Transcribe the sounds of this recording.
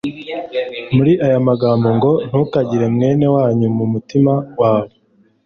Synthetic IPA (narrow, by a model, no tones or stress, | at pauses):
muɾiʔajamaɡaːmbo̞ŋɡo̞n̥hukaɟiɾe̞mŋe̞ːne̞waːɲumumutimawaːβo